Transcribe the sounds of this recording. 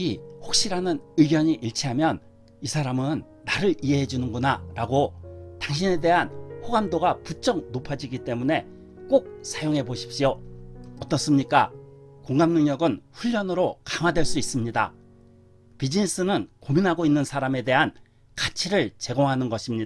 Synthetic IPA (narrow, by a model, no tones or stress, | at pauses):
iɸok̚ɕ͈iɾanɯnɯiɡjʌɲiʔiɭt͡ɕʰiɦamjʌn | isʰaɾamɯnːaɾɯɭiɦe̞ɦe̞d͡ʑunɯnɡunaɾaɡotaŋɕ̬ʰine̞de̞ɦanɸoɡamdoɡaput͡ɕ͈ʌŋ̚nopʰad͡ʑiɡit͈e̞mune̞ | k͈ok̚sʰajoŋɦe̞boɕʰi̥p̚ɕ͈ioʌt͈ʌs͈ɯmɲik͈akoŋɡamnɯŋɲʌɡɯnɸuʎːʌnɯɾokaŋwadwe̞ɭs͈uis͈ɯmɲida̰ | pid͡ʑinis͈ɯnɯnkominɦaɡoinːɯnsʰaɾame̞de̞ɦan | kat͡ɕʰiɾɯɭt͡ɕe̞ɡoŋɦanɯnɡʌɕʰimɲi